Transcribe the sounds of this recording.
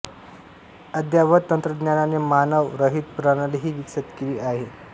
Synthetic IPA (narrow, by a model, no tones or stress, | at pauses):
əd̪ʱjaʋət̪ːənt̪ɾəd̪njananemanəʋɾəɦit̪̚puɾanaleɦiːʋiksət̪kiʋiːʔaɦe